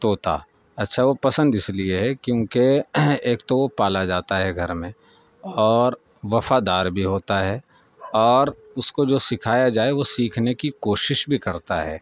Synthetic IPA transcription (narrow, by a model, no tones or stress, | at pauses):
t̪oːt̪a̰ | ɐtːʃʰaʋopɐsə̃nd̪ɪslieɦɛkjõːkeeːkt̪oʋopaːlad͡ʒaːt̪aɦɛɡʱɐɾmẽ | ɔːɾ | ʋɐfad̪aːɾbʱiɦoːt̪aɦɛ | ɔːɾʊskod͡ʒoːsɪkʰaːjad͡ʒaːeʋosiːkʰnekikoːʃɪʃbʱikɐɾt̪aɦɛ̰ː